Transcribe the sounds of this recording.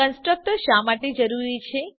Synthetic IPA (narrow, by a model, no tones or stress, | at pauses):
ənsʈɾək̚ʈ̪əʃamaʈed͡ʒəɾuɾit͡ʃʰe